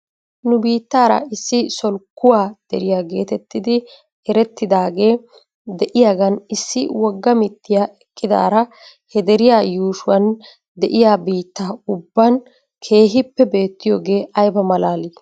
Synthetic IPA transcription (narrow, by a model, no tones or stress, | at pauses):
nʊbiːt̪ːaːɾɐ̰ɪsːɪsɔlkːʊwaːd̪̥ɛ̰ɾɪjaːɡe̞ːt̪ɛt̪ːɪd̪ɪ | ɛɾɛt̪ːɪd̪aːɡe̞ː | d̪ɛʔɪjaɡɐnɪsːɪwɔɡːɐmɪt̪ːɪjaɛkʼːɪd̪a̰ːɾɐ | hɛd̪ɛɾɪjaːjuːʃʊwɐn | d̪ɛʔɪjaːbiːt̪ːaːʊbːɐn | kʰe̞ːɦɪpːɛbe̞ːt̪ːɪjoːɡe̞ːʔɐjbɐmɐlaːliː